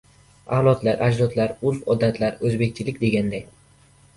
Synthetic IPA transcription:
alˠɒt̪laɾʔad͡ʒɾɒt̪ʰlaɾʊɾfɒd̪at̪ʰlaɾɵzbe̞kʲt͡ʃʰɪlɪkʲd̪e̞ɡʲand̪aj

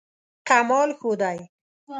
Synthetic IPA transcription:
kamɔːlxud̪aj

